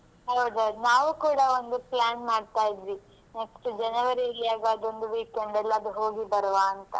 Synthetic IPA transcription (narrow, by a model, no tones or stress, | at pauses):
ɦɐwd̪ɐnaːʋukuːɽɐo̞nd̪uplaːnmaːɖt̪aːjid̪ʋi | neksʈud͡ʒɐnɐʋɐɾilijaːɡɐːd̪o̞nd̪uʋiːkeɳɖɛlːɐːd̪uɦo̞ːɡibɐɾʋaːnt̪ɐ